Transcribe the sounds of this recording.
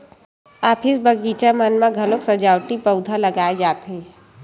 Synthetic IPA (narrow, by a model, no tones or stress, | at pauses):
aːpʰɪsbɐɡiːt͡ʃamɐnmãɡʱɐloksɐd͡ʒaːwʈipəʊd̪ʱalɐɡaːed͡ʒaːt̪ɦeː